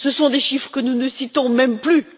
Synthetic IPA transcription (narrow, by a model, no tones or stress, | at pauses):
səsɔ̃d̪eʃifχəkənunəsit̪ɔ̃mɛmply